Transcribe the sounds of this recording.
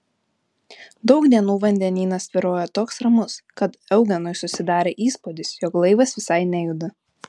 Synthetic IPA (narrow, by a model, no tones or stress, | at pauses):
d̪ɒʊkd̪ʲiɛnuːʋɐnʲd̪ʲɛnʲiːnɐsʋʲɪɾoːjɛt̪oːksɾɐmʊskɐt̪ɛʊɡʲɛnɔɪsʊsʲɪd̪ɑːɾʲeːʔiːspod̪ʲɪsjɔklˠɐɪʋɐsʋʲɪsɐɪnʲɛjʊd̪ɐ